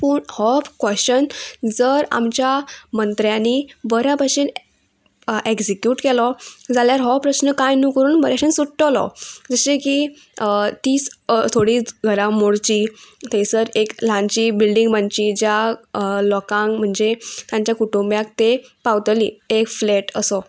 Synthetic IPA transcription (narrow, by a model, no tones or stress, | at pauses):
puːɳhɔfkʋəɕt͡ɕənd͡zəɾa̰mt͡ɕjamənt̪ɾjãniːbəɾapaɕiːn | eksikjuːʈkɛlɔd͡zaljaɾɦɔpɾəɕnəkajnukəɾuːnbəɾjaɕənsuʈʈəlɔ̰d͡zəɕeki | t̪iːt͡st̪ʰoɽiːt͡sɡʱəɾãmoɽt͡ɕit̪esəɾeklãɲt͡ɕiːbilɖiŋɡbaɲt͡ɕid͡ʑjalɔkãŋkm̤əɳd͡zet̪jãɲt͡ɕjakuʈumbjak̚t̪epawt̪lḭːekfleʈəsɔ